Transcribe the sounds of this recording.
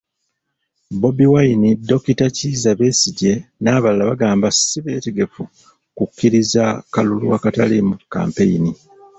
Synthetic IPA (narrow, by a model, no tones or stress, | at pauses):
bo̞biwainidːo̞kitaciːzaβe̞ːsiɟe̞naːβalalaβaɡaːmbasiβe̞ːteɡe̞fu | kukːiɾizakaluluwakatalimukːa̰ːmpe̞jini